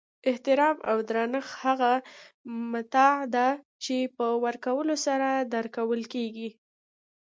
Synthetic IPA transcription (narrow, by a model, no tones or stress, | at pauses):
ɪht̪ɪɾɑma̰wd̪ɾɑnəxhaɣa | mat̪ɑd̪a | t͡ʃepəwəɾkawəlosaɾad̪əɾkawəlkeɡi